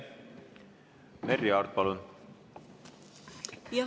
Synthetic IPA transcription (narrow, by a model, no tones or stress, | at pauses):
meriɑɾd̪̚pɑlun | jɑ